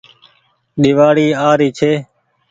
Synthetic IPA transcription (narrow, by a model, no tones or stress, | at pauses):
ɗɪʋaːɽiːaːɾiːt͡ʃʰeː